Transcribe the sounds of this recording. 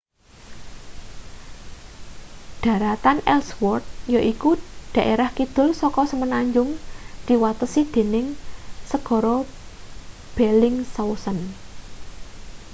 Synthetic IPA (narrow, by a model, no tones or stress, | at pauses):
d̪̥ä̤ɾat̪anɛlswɔrt̪̚joʔikuɖ̪̥a̤ʔeɾahkid̪̥ʊ̤lsɔkɔsəmənaɲd͡ʒʊŋd̪̥i̤wat̪əsid̪̥e̤nɪŋsəɡ̥ɔ̤ɾɔ | b̥ɛlɪŋsausən